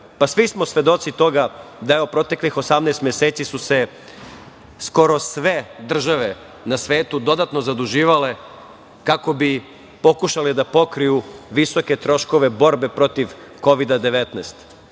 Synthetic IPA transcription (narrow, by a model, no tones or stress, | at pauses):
pasʋismo̞sʋe̞d̪o̞t̪sit̪o̞ɡad̪aeopɾo̞t̪e̞klixo̞samnest̪mjeseːt̪sisuse̞ | sko̞ɾo̞sʋe̞d̪r̩ʒaʋe̞ | nasʋe̞ːt̪ud̪o̞d̪at̪no̞zad̪uʒiːʋale̞ | kako̞bi | po̞kuʃaled̪apo̞kɾijuʋiso̞ke̞t̪ɾo̞ʃko̞ʋe̞bo̞ɾbe̞pɾo̞t̪iʋ | ko̞ʋid̪ad̪e̞ʋet̪neːst̪